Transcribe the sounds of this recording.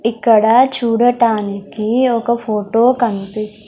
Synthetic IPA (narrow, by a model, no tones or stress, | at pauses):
ɪkːəɽat͡ʃʰuːɽəʈaːnekioːkɐfoːʈoːkɐnpɪs